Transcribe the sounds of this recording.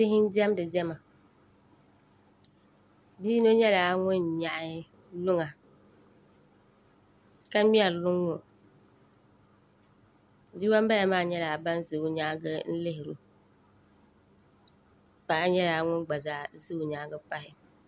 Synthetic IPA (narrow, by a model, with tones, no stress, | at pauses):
bɪ˦ɦɪ˦n˦dɪ˦ɛ˦mdɨ˨dɛ˦ma˨ | biː˦no˦ɲɛ˦la˨˦ŋʊ˦nɲa˨ʔ | lʊ˦ŋa˨ | ka˦mi˦ɛ˨llʊ˦ŋːʊ˦ | di˦wa˦mba˦a˨maː˦˨ɲɛ˦la˨ba˦nzɨ˨ʊ˨˦ɲa˦ɡɨ˦n̩˦lɪ˦ɦɪ˨ɾṵ˨ | k͡pa˨a˦ɲɛ˦la˨ŋʊ˦nɡ͡ba˨zaː˨˦zɨ˦ʊ˨ɲa˨˦ɡɨ˦pa˦ɦɪ˨